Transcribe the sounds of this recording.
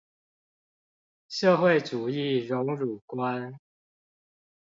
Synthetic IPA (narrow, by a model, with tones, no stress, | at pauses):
ʂɤ˥˧xwe˥˨ɪt͡su˨˩i˥˨ɻʊ˨˧˥ŋɻu˨˩kwa˦n